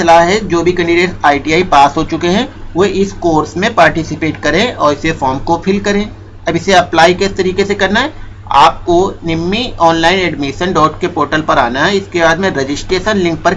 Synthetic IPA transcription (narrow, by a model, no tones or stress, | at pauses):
ɐlaːɦɦɛd͡ʒoːbʱikɛ̃ɳɖiɖeːʈaːiʈiaːipaːsɦot͡ʃʊkeɦɛ̃ʋoʔɪskoːɾsmẽpaːɾʈɪsɪpeːʈkɐɾẽɔːɾɪsefɔːɾmkopʰɪlkɐɾẽː | ɐbɪseɐplaːikeɪst̪ɐɾiːkesekɐɾnaɦɛ | a̰ːp̚konɪmːiɔːnlaːɪnɛːɖmiʃənɖɔːʈkepoːɾʈəlpɐɾaːnaɦɛɪskebaːd̪mẽɾed͡ʒɪsʈɾeːʃənlɪ̃ŋk̚pɐɾ